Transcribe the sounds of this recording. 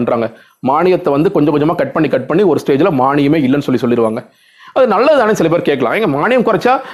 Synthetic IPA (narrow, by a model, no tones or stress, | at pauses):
ɳɖɾaːŋɡɐ | maːɳɪjɐt̪ːɐʋɐnd̪ɯkɔɲd͡ʒɐ̃kɔɲd͡ʒɐmaːkɐʈ̚pɐɳːikɐʈ̚pɐɳːiɔɾɯsʈeːd͡ʒɪlɐmaːɳɪjɐmeːɪlːɐnːɯsɔlːisɔlːɪɾɯʋaːŋɡɐ | ɐðɯnɐlːɐðaːnesɪlɐp̬eːɾkeːʈ̚kɐɭã̰ːɛŋɡɐmaːnɪjɐmkʊɾɐt͡ʃːaː